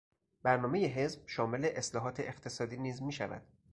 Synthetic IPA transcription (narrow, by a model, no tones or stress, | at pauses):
b̥æɾnɒːme̞je̞ɦe̞zb̥ʃɒːme̞le̞ʔeslɒːɦɒːt̪ʰeʔext̪ʰe̞sɒːd̪iːniːzmiːʃæ̰væ̰d̪̥